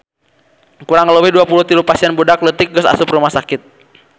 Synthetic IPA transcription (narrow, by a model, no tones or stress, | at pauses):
kuɾaŋːəlowihduapuluht̪ilupasiɛnbodaklət̪ɪk̚ɡʊsa̰sʊprumahsakɪt̪̚